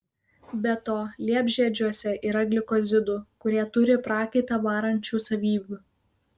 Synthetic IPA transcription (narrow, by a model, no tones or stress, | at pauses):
bʲɛt̪oːlʲiɛbʲʒʲiɛd͡ʒʲuɔsʲɛʔiːɾɐɡʲlʲɪkɔzʲɪd̪ʊkʊɾʲiɛt̪ʊɾʲɪpɾɑːkʲɪt̪ɐʋɑːɾɐnʲt͡ʃʲuːsɐʋʲiːʋʲu